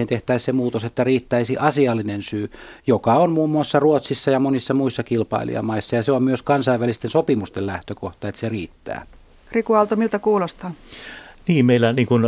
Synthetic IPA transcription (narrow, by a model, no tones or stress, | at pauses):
ent̪eht̪æissemuːt̪oset̪ːæriːt̪ːæisiʔɑsiɑlːinensyːjokɑonmuːmːuɑsːɑruot̪sisːɑjɑmonisːɑmuisːɑkilpɑ̰ḭlḭɑ̰mɑisːɑjɑseommyøskɑnsɑiʋːælist̪ensopimust̪ellæht̪økoht̪ɑet̪seriːt̪ːæ̰ː | krikuɑlt̪omilt̪ækuːlost̪ɑnniːmmeˑilːˑæniːŋkun